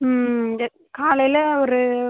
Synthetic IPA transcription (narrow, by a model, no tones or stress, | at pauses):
kaːlɐjlɐɔɾɯ